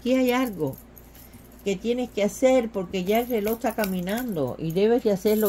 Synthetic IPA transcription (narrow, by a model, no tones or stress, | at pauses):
kiajalɣo̞ | ke̞t̪je̞ne̞skease̞ɾpo̞ɾke̞ʝaelre̞lo̞hst̪akamĩnãnd̪o̞̰ʔḭðe̞βe̞zd̪ease̞ɾlo